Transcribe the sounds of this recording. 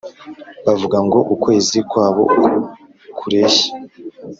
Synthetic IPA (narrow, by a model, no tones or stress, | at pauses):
βavuɡaŋɡo̞ʔukwe̞ːzikwaːβo̞̰ | kʰuɾe̞çḁ